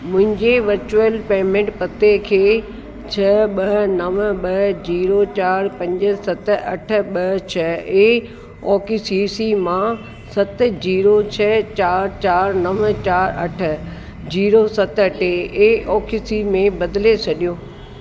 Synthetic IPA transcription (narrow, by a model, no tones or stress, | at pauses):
mʊ̃ɦɪ̃ɲd͡ʑeʋɐɾt͡ɕuəlpeːmẽɳʈpɐt̪ekʰeː | t͡ɕʰɐɓɐɦnɐʋ̆ɓɐɦd͡ʑiːɾot͡ɕaːɾpɐ̃ɲd͡ʑɪ̆sɐt̪̆ɐ̰ʈʰʊ̆ɓɐɦt͡ɕʰɐeː | ɔːkisiːsimã | sɐt̪̆d͡ʑiːɾot͡ɕʰɐt͡ɕaːɾt͡ɕaːɾnɐʋt͡ɕaːɾɐ̰ʈʰʊ̆ | d͡ʑiːɾosɐt̪ɐʈʰeeːɔːkisimẽbɐd̪ɪlet͡ɕʰɐɗijoː